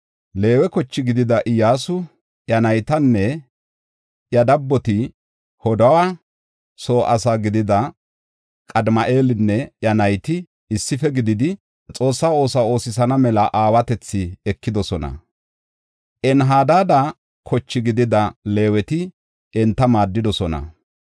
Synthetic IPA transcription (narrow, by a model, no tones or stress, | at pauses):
le̞ːwɛkɔt͡ʃːɪɡɪd̪ɪd̪ɐʔɪjaːsʊ | ʔjɐnɐjt̪ɐnːɛ | jɐd̪ɐbːɔt̪ɪ | hɔd̪ɐwa | so̞ːʔɐsaɡɪd̪ɪd̪ɐ | kʼɐd̪mɐʔe̞ːlɪnːɛjɐnɐjt̪ɪ | ɪsːɪfɛɡɪd̪ɪd̪ɪ | t͡sʼo̞ːsːaːo̞ːsao̞ːsɪsɐnɐmɛlɐʔaːwɐt̪ɛt͡sːɪɛkːɪd̪ɔsɔnɐ̰ | ʔɛnɦaːd̪aːd̪ɐ | kʰɔt͡ʃːɪɡɪd̪ɪd̪ɐle̞ːwɛt̪ɪ | ʔɛnt̪ːɐmaːd̪ːɪd̪ɔsɔnɐ̰